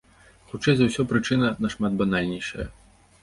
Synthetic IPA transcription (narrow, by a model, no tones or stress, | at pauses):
xut͡ʂɛjzɐwsʲɔpɾɨt͡ʂɨnɐnɐʂmad̪̚banalʲnʲɛjʂɐ̰jɐ̰